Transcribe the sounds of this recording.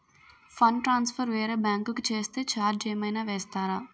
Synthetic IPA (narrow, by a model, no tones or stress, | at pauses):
fʰɐnʈɾaːnspʰɐɾʋeːɾebjaːŋkukut͡ʃeːst̪eːt͡ʃaːɾd͡ʒeːjmɐjnaːʋeːst̪aːɾaː